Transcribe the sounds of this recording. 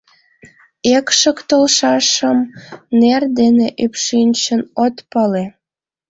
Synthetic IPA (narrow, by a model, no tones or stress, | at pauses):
ekʃəkt̪əlʃɑʃəmnerd̪eneʔypʃinʲt͡ɕənot̪pɑle